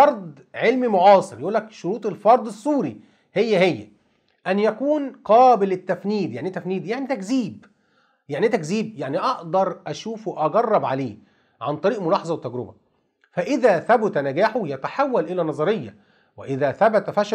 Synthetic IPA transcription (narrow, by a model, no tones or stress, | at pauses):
ɑɾˤd̪ˤ | ʕelmimoʕɑːsˤɨɾjʔuːlːækʃoɾuːt̪ˤelfɑɾˤd̪ˤesˤːuːɾi | hejːæhejːæ | ʔænjækuːnqɑːbɪlɪt̪ːæfniːd̪jaʕnit̪æfniːd̪jaʕnit̪ækziːb | jaʕnit̪ækziːb̚jaʕniʔɑʔd̪ɑɾˤʔæʃuːfwʔɑɡɑrˤːɑbʕaleː | ʕant̪ˤɑɾiːʔmʊlɑːħɑzˤɑwɪt̪ːæɡɾʊbæ̰ | fæʔɪðæːθæbʊt̪ænæɡæːħʊjæt̪aħawːælʔɪlænɑzˤɑɾejːæ̰ | wɪʔɪðæːθæbæt̪æfæʃ